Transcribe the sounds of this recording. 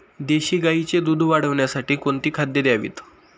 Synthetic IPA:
d̪eɕiːɡait͡ɕed̪ud̪ʱʋaɽəʋɳjasaʈiːkoɳt̪iːkʰad̪jed̪jaʋḭːt̪

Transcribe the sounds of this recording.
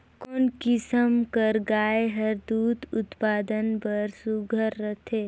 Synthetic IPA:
koːnkɪsəmkəɾɡaːeɦəɾd̪uːt̪ʊt̪paːd̪ənbəɾsuɡʱəɾːət̪ʰeː

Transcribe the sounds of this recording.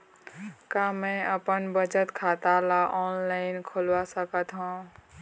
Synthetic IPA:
kamɛ̃əpənbət͡ʃət̪kʰat̪alaʔɔːnlaɪnkʰolʋasəkət̪ɦũː

